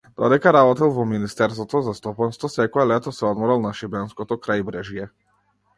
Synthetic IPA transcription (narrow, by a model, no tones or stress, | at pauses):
d̪̥ɔd̪ɛkaɾabɔt̪ɛlˠvɔminist̪ɛɾsvɔt̪ɔzast̪ɔpanst̪vɔsɛkɔɛlɛt̪ɔsɛɔd̪mɔɾalˠnaʃibɛnskɔt̪ɔkɾajbɾɛʒijɛ